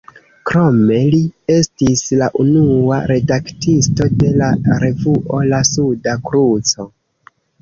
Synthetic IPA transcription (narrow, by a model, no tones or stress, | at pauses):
kɾo̞me̞lie̞stislaʔunuaɾe̞daktisto̞de̞laɾe̞vuʔo̞lasudakɾut͡so̞